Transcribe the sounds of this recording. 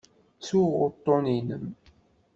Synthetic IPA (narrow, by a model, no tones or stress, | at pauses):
t͡sːuʁʊɾt̪ˤːoninəm